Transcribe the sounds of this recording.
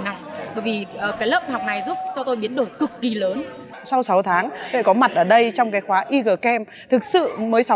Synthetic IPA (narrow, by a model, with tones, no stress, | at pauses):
na˨˩jɓəː˧˩jvi˨˩ʔəː˨˩kaː˨˦jləː˦˥p̚haː˨˩wk͡p̚na˨˩jzu˦˥p̚t͡ɕɔ˧t̪o˧jɓi˨˦ənɗo˧˩jkɨ˨˩kki˧˩ləː˨˦n | sa˧wsa˨˦wt̪ʰaː˨˦ŋlḛ˧˨kɔ˨˦ma˨˩t̚ʔəː˧˩ɗə˧jt͡ɕɔ˧wŋ͡mkaː˨˦jxwaː˨˦ʔi˧ɣəː˨˩kɛ˧m | t̪ʰɨ˨˩k̚sɨ̰˧˨məː˨˦jsa˨˦